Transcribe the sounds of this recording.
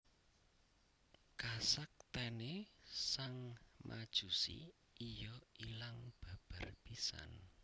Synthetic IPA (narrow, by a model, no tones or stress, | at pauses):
kasak̚t̪ɛnesaŋmʔa̰d̥ʒ̥ṳsḭ | ijɔilaŋb̥a̤b̥arpisa̰n